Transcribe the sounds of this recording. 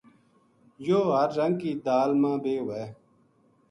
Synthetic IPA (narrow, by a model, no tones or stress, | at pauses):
joːɦəɾːəŋɡ̚kiːd̪aːlmãːbeːɦʊʋeː